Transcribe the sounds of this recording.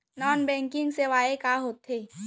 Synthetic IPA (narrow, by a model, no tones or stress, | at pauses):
naːnbɛ̃ːŋkɪ̃ŋɡseʋaːekaːɦoːt̪eː